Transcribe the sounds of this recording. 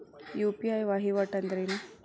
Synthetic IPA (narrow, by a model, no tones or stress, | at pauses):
jupiajʋaɦiʋaʈand̪ɾen